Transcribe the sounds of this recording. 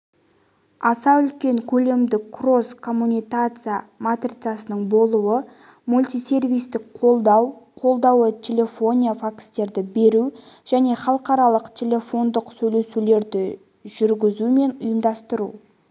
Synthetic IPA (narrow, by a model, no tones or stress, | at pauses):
ɑsɑʏlkʲe̞ŋkʲʰɵle̞md̪ɪkkʰro̞skʰo̞mːunʲijkat̪sɨjamat̪rʲit̪sɨjasənəɴbo̞lˠuwə | mulʲt̪ʲijse̞rvijst̪ɪkqʰo̞lˠd̪ɑwqʰo̞lˠd̪ɑwət̪ʲʰe̞le̞fo̞nʲijafakst̪e̞ɾd̪ɪbe̞ɾu | ʒ̥æne̞χɑlˠəqɑɾɑlˠəqt̪ʲʰe̞lʲe̞fo̞nd̪əqsɵjle̞sule̞ɾd̪ɪ | ʒʏɾɡʲɪzume̞nʊjəmd̪ɑst̪əɾṵ